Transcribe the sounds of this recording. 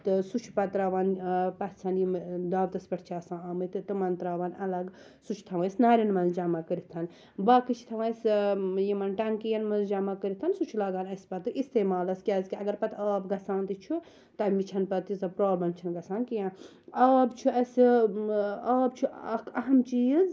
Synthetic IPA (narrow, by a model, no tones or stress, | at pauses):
t̪ɨsut͡ʃʰu̥pɐt̪ɾaːʋaːnpɐt̪ʰt͡sʰɐnjimd̪aːʋt̪ɐspɐʈʰt͡ʃʰaːsãːaːmɨt̪ɨt̪ɨmɐnt̪ɾaːʋaːnɐlɐɡ | sut͡ʃʰt̪ʰɐʋɐ̃snaːɾʲɐnmɐnzd͡ʒamakəɾit̪ʰɐn | baːkɨt͡ʃʰt̪ʰɐʋɐsjimɐnʈɐŋkijɐnmɐnzd͡ʒamakəɾit̪ʰɐnsut͡ʃʰulaːɡaːnɐsʲpɐt̪ɨʔist̪eːmaːlɐskʲjaːzkʲiɐɡɐɾpɐt̪ʰaːbɡɐsãːnt̪it͡ʃʰu | t̪ɐmit͡ʃʰɐnpɐt̪izɐpɾoːblɐnt͡ʃʰɐnɡɐsaːnkijãː | aːbt͡ʃʰuɐs | aːbt͡ʃʰuɐɦɐmt͡ʃiːz